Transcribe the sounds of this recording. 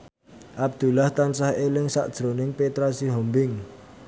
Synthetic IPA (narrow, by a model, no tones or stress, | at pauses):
ʔab̚d̪̥ṳlaht̪ansahelɪŋsa̰ʔd̥ʒ̥ɾonɪŋpet̪ɾasiɦɔmbɪŋ